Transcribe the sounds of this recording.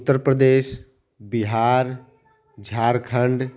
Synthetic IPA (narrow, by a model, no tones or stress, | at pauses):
ʊt̪ːəɾpɾəd̪eːs | biɦaːɾ | d͡ʒʱaːɾkʰəɳɖ